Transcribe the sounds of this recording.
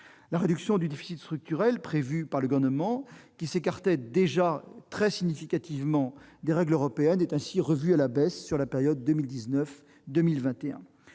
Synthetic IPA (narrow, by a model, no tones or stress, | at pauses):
laʁed̪yksjɔ̃d̪yd̪efi̥sit̪st̪χyk̚t̪yʁɛlpχevypaʁləɡɔʁnəmɑ̃kʲisekaʁt̪ɛd̪eʒat̪χɛsiɲifikat̪ivmɑ̃d̪eʁɛɡløʁɔpeɛnɛt̪ɛ̃siʁəvyalabɛsːyʁlapeʁjɔd̪ːømild̪iznœf | d̪ømilvɛ̃t̪eɛ̰̃